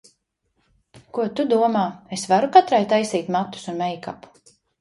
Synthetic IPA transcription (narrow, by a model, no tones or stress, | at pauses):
kuɔt̪ud̪uɔmaːesvaɾukat̪ɾajt̪ajsiːt̪mat̪ːu̥sunmɛjkapu̥